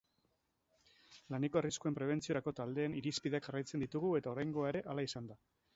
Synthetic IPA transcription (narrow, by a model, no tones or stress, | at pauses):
laneko̞ariskue̞mpɾe̞β̞e̞nt͡sio̞ɾako̞t̪ald̪e̞ːniɾispiðe̞akʝarajt͡se̞nd̪it̪uɣ̞ue̞t̪ao̞ɾajŋɡo̞aeɾe̞ʔalaisand̪a